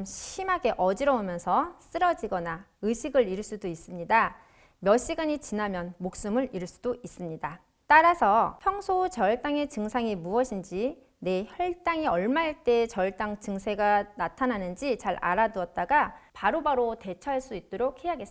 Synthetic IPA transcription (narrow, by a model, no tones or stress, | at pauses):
mɕimaɡe̞ʔʌd͡ʑiɾʌomjʌnsʰʌs͈ɯɾʌd͡ʑiɡʌnaɯɕʰiɡɯɾiɭs͈udois͈ɯmɲida | mjʌɕ͈iɡaɲit͡ɕinamjʌnmok̚s͈ɯmɯɭiɾɭɭs͈u̥d̥ois͈ɯmɲida | t͈aɾasʰʌpʰjʌŋsʰot͡ɕʌɭt͈aŋe̞t͡ɕɯŋsʰaŋimuʌɕʰind͡ʑi | ne̞çʌɭt͈aŋiʌɭmaaɭt͈e̞t͡ɕʌɭt͈aŋt͡ɕɯŋsʰe̞ɡanatʰananɯnd͡ʑit͡ɕaɾa̰ɾaduʌt̚t͈aɡapaɾobaɾote̞t͡ɕʰʌɦaɭs͈uit̚t͈oɾok̚he̞ɦaɡes